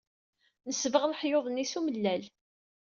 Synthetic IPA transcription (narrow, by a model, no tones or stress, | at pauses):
nəsvəʁlħjoðˤnisuməlːæl